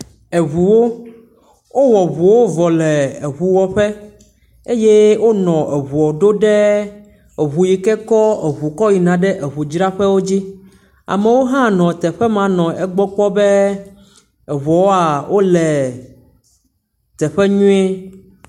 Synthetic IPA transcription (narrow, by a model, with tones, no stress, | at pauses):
e˨βu˨wo˦ | wo˦wɔ˨βu˨wo˦vɔ˨lɛ˨e˨βu˨wɔ˦ɸɛ˦ | e˦je˦wo˦nɔ̃˨e˨βu˨ɔ˨ɖo˦ɖɛ˦ | e˨βu˨ji˨kɛ˦kɔ˦e˨βu˨kɔ˦ji˨nã˨ɖɛ˦ʔe˨βu˨d͡ʒɾa˦ɸɛ˦wo˦d͡ʑi˦ | a̰˨mẽ˨wo˦ɦã˦nɔ̃˨t̪ɛ˨ɸɛ˦mã˨nɔ̃˨ʔɛ˦ɡ͡bɔ˦k͡pɔ˦bɛ˦ | ɛ˨βɔ˨wo˦a˨wʔo˦lɛ˨ | t̪ɛ˨ɸɛ˦ɲũ˦e˦